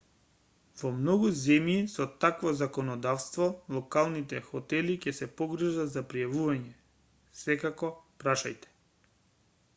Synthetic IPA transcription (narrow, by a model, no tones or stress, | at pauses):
vɔmnɔɡuzɛmjisɔt̪akvɔzakɔnɔd̪afst̪vɔlˠɔkalˠnit̪ɛxɔt̪ɛlicɛsɛpɔɡɾ̩ʒazapɾijavuvaɲɛ | sɛkakɔpɾaʃa̰jt̪ɛ̥